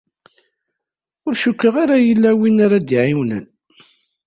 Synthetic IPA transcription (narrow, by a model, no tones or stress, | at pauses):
ʊɾʃukːəʁaɾajəlːæwinaɾad̪iʕiwnə̰n